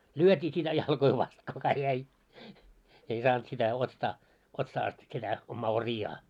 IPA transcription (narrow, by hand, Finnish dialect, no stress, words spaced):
lyøtiː sitæ jɑlkoi ʋɑst kukɑ jæi ei sɑːnt sitæ ostɑː otsɑː ɑst sitæ omːɑː oriɑː